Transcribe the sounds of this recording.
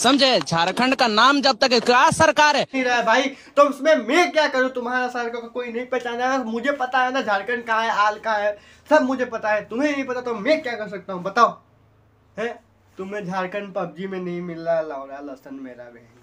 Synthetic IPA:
sɐmd͡ʒʱed͡ʒʱaːɾkʰə̃ɳɖkanaːmd͡ʒɐb̚t̪əkkasɐɾkaːɾɛĩɾɐɦebʱaːit̪oɪsmẽmẽkjakɐɾot̪ʊmɦaːɾasaːɾkakakoːinɐɦĩpɛɦt͡ʃaːnamʊd͡ʒʱepɐt̪aɦɛnad͡ʒʱaːɾkə̃ɳɖ̚kaɦɛaːlkaɦɛ | sɐbmʊd͡ʒʱepɐt̪aɦɛ̃t̪ʊmẽjĩpɐt̪at̪omẽkjakɐɾs̬ɐk̚t̪aɦũbɐt̪aːo | ɦɛ̃ | t̪ʊmːẽd͡ʒʱaːɾkʰə̃ɳɖpɐb̚d͡ʒimẽnɐɦĩmɪlːalaːõɾalɐsənmḛːɾa̰beːn

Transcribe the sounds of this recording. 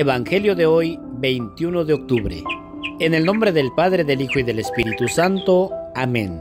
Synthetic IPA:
eβaŋxe̞ljoðeojbejnt̪junoðeok̚t̪uβɾḛ | ene̞lnõ̞mbɾe̞ðe̞lpaðɾeðelixoiðe̞lespiɾit̪usant̪oamḛ̃n

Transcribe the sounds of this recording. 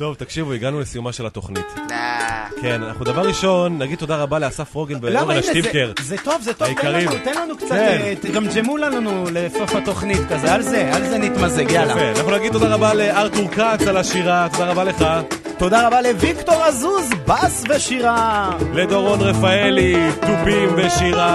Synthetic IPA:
t̪o̞vt̪akʃivuiɡanulesijumaʃe̞lat̪o̞χnit̪ | kena̰na̰χnud̪avaʁʁːiʃo̞nːaɡid̪̚t̪od̪aʁabaleasafʁo̞ɡenveloʁlaʃivkeʁzet̪o̞vzet̪oaikaʁimt̪enlanukt͡saɡamd͡ʒemulannulefofat̪o̞χnit̪kazealzealzenit̪mazeɡaafea̰naχnunaɡid̪̚t̪od̪aʁabaleaʁt̪uʁkat͡salaʃiʁat̪o̞daʁabale̞χa | t̪o̞d̪aʁabale̞vikt̪o̞ʁazuzbasveʃiʁale̞d̪oʁonʁefaelit̪upimveʃiʁa

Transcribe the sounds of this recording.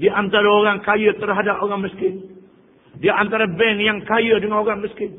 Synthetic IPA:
diʔant̪aɾaoɾaŋkajət̪ərɦadapoɾaŋməskɪn | diʔant̪aɾabɛnjaŋkajədəŋanoɾaŋməskɪn

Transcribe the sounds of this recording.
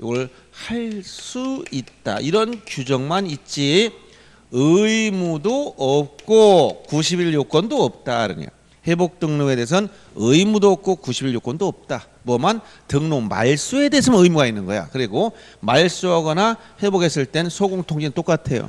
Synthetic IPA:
joɡʌɭ | haɭs͈uit̚t͈a̰ʔiɾʌnkjud͡ʑʌŋmanitt͡ɕ͈i | ɯimudoʌp̚k͈okuɕ̬ʰibiʎjok͈ʌndoʌp̚t͈aɾɯ̰ɲo̰ | he̞bok̚t͈ɯŋnoe̞de̞ːs̬ʰʌn | ɯimudoʌp̚k͈okuɕʰibiɭjok͈ʌndoʌp̚t͈a | mwʌman | tɯŋnoma̰ɭs͈ue̞deːsʰʌmɯjmuɡainːɯnɡʌ̰ja̰kɯɾiɡo | maɭs͈uɦʌɡʌnahe̞boɡe̞s͈ɯɭt͈e̞nsʰoɡoŋtʰoŋd͡ʑint͈ok͈atʰe̞jo̰

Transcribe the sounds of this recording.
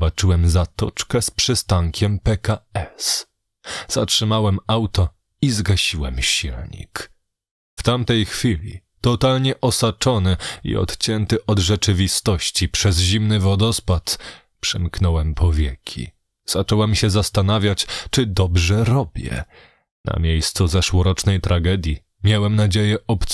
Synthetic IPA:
bat͡ʂɘwɛmzat̪ɔt͡ʂkɛspʂɘst̪aŋkʲʰɛmpɛkaɛs | z̥atʂɘmawɛmawt̪ɔ | izɡaɕiwɛ̰mɕilɲḭk | ft̪amt̪ɛjxfʲilʲḭ | t̪ɔt̪alɲɛʔɔsat͡ʂɔnɘḭɔ̰t̪t͡ɕɛnt̪ɘʔɔd̪ʐɛt͡ʂɘvʲist̪ɔɕt͡ɕipʂɛzʑimnɘvɔd̪ɔspat̪ | pʂɘmknɔwɛmpʰɔvʲjɛkʲʰḭ | z̥at͡ʂɔwɛmɕɛzast̪anavʲjat͡ɕt͡ʂɘd̪ɔbʐɛɾɔbʲjɛ̰ | na̰mʲjejst̪suzɛʂwɔɾɔt͡ʂnɛjt̪ɾʔaɡɛd̪ʲji | mʲjawɛmnad͡ʑejɛʔɔpt̪

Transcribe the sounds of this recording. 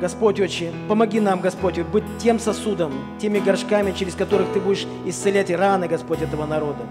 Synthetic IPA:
ɡ̥ɐspo̞tʲot͡ɕːɪpəmɐɡʲin̪amɡɐspotʲobɨtʲtʲːe̞msɐsud̪əm | tʲemʲɪɡɐrʂkamʲɪt͡ɕɪɾʲɪskɐt̪o̞ɾɨxt̪ɨbudʲɪʂ | ɪst̪sɨlʲætʲranɨɡɐspo̞tʲɛt̪əvənɐɾo̞d̪ə

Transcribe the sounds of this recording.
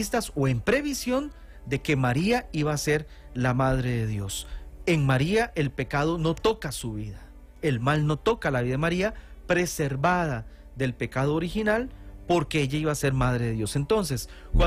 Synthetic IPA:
st̪aso̞e̞mpɾe̞βisjo̞n | d̪e̞ke̞maɾiaiβaːse̞ɾ | lamað̞ɾe̞ðeðjo̞seŋmaɾiaʔe̞lpe̞kað̞o̞no̞t̪o̞kasuβiða | e̞lmalno̞t̪o̞kalaβiðaðemaɾiapɾe̞se̞ɾβaða | ðe̞lpe̞kaðoːɾixinalpo̞ɾke̞eʝaiβase̞ɾmaðɾe̞ðeðjo̞se̞nt̪o̞ns̬es | kwa

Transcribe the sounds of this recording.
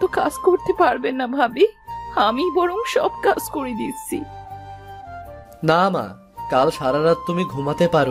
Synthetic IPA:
t̪oka̰d͡ʑkoɾt̪epaɾbenːabʱabiamibɔɾomʃɔ̰b̚kad͡ʑkoɾed̪it̪ːɕʰḭ | nama̰ | kalʃaɾaɾad̪̚t̪umiɡʱumat̪epaɾo

